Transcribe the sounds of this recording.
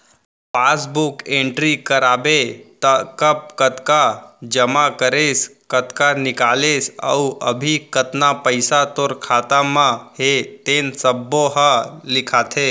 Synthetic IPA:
pasbukẽɳʈɾikəɾaːbet̪əkəp̚kət̪kad͡ʒəmakəɾeskət̪kanɪkalesə̰uʔəbʱikət̪napəɪsat̪oːɾkʰaːt̪amãhet̪ensəbːoɦəlɪkʰat̪ʰe

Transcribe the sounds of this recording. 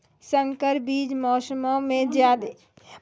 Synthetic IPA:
sə̃ŋkəɾbiːd͡ʒmɔːsəmomẽzjaːd̪e

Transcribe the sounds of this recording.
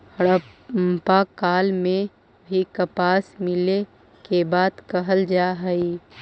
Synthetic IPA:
ɽəmpakaːlmẽ | bʱikəpaːsmɪle | kebaːd̪kəɦəld͡ʒaːɦəi

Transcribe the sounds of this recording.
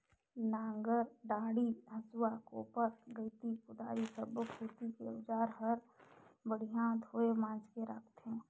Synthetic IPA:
nãːŋɡəɾɖaːɽiɦəswako̰ːpəɾɡəɪt̪ipʊd̪ʱaːɾisəbkɦoːt̪ikeʊd͡ʒaːɾɦəɾ | bəɽ̤ijãd̪ʱoːemãːnd͡ʒkeɾəkʰt̪ɦɛ̃ː

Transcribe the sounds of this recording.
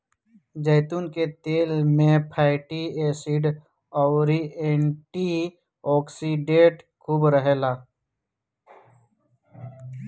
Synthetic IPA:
d͡ʒeːt̪unket̪eːlmẽpʰaːɪʈieːsiɖ | ɔɾieːɳʈi | ɔːksiɖẽʈ | kʰuːbɾəɦelaː

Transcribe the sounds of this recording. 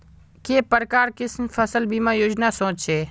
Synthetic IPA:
keːpəɾəkaːɾkɪsmifʰəsəlbʱiːmãːjoːd͡ʒnaːsõːt͡ʃʃʰeː

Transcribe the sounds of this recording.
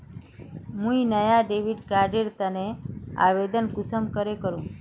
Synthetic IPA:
mũinəjaɖeʋiɖkaɾɖeɾt̪ənea̰ʋed̪ənkʊsəmkəɾekəɾũː

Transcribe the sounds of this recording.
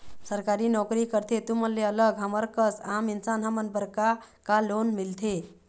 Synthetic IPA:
səɾkaɾinɔkɾikəɾt̪ʰet̪uməlːeələɡɦəməɾkəsaminsanɦəmənbəɾka | kalonmilt̪ʰe

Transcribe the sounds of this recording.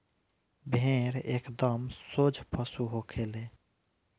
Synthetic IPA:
bʱẽɾeːkd̪əmsod͡ʒʱpʰəsuɦokʰele

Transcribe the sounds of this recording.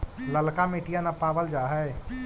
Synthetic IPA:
ləlkameːʈijanapaːbəld͡ʒaːɦɛ

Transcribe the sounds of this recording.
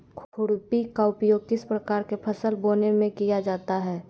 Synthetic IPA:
kʰʊɽpikaʊpjoːɡ̚kɪspɾəkaːɾkepʰəsəlboːnemẽkijad͡ʒaːt̪aɦɛː

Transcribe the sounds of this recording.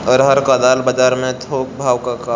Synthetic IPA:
ɔːɾɦɐɾkaːd̪aːlbɐd͡ʒaːɾmẽt̪ʰoːk̚bʱaːwkaka

